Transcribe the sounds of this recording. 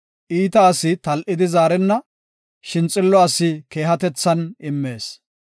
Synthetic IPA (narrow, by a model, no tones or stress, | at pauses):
ʔiːt̪ɐːsɪt̪ɐlʔɪd̪ɪzaːɾɛnːɐ | ʃɪnt͡sʼɪlːɔɐsɪke̞ːɦɐt̪ɛt͡sːɐnɪmːe̞ːs